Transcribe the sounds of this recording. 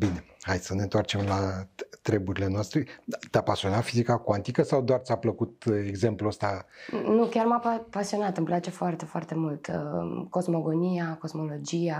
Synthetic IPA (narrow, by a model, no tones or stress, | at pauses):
bine̞hajsəne̞nt̪oart͡ʃe̞mlat̪ɾe̞buɾile̞noast̪ɾe̞t̪apasio̞nafizikakwant̪ikəsawd̪oarsʲapləkut̪eɡze̞mpluəst̪anukʲarmappasio̞nat̪ɨmplat͡ʃe̞foart̪e̞foart̪e̞mult̪ko̞zmo̞ɡo̞nijako̞zmo̞lo̞d͡ʒia